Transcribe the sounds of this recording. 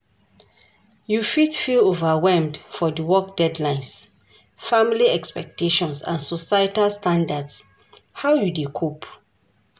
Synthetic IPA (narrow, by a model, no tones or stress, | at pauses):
jufitfilovawɛlmdfɔdiwɔkdɛdlãɪ̃ns | familiɛkspɛk̚teʃɔ̃nsã̰nsɔsajtalstãndads | hawjudekʰop